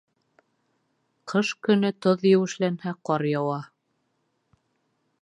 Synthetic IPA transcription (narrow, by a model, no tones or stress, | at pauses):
qʰɤʃkɵ̆nɵt̪oðjɘ̆wɘ̆ʃlænhæqɒɾjɑwɑ